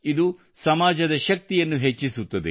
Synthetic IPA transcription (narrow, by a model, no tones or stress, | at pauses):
id̪u | sɐmaːd͡ʒɐd̪ɐʃɐk̚t̪ijɐnːuɦet͡ʃːisut̪ːɐd̪ḛ